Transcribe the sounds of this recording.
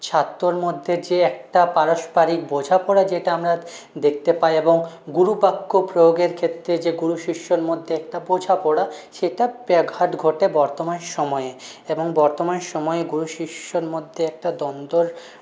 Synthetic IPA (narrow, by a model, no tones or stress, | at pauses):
t͡ɕʰat̪ːɾoɾmod̪ʱːed͡ʑeɛk̚ʈapaɾoʃpaɾik̚bod͡ʑʱapɔɽad͡ʑeʈaamɾa | d̪ek̚ʰt̪epaeeboŋ | ɡuɾupakːopɾooɡeɾkʰet̪ːɾed͡ʑeɡuɽuʃiʃːoɾmod̪ʱːeɛk̚ʈabod͡ʑʱapɔɽaʃeʈabɛɡʱaʈɡʱoʈebɔɾt̪omanʃɔmɔe | eboŋbɔɾt̪omanʃɔmɔeeɡuɾuʃiʃːoɾmod̪ʱːeɛk̚ʈad̪ɔnd̪oɾ